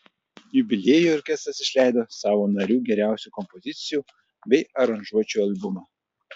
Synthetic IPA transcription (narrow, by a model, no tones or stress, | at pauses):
jʊbʲɪlʲeːjuːɔɾʲkʲɛst̪ɐsɪʃʲlʲæˑɪd̪oːsɑːʋoːnɐɾʲuːɡʲɛɾʲæˑʊsʲuːkɔmpɔzʲɪt̪sʲɪjuː | bʲɛɪɐɾɐnʒuɔt͡ʃʲuːɐlʲˠbʊmɑː